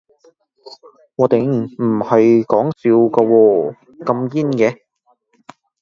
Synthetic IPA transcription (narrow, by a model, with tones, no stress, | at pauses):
ŋɔː˨˧t̪e˨˧jm̩˨˩hɐ˨jkɔː˨˥ŋsiː˨˧wkɐ˧wɔː˧ | kɐ˧mjiː˥nkɛː˨˧